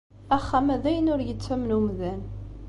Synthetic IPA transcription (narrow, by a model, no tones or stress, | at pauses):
æχːæmæðæjənʊɾjət͡sːæmnumðæn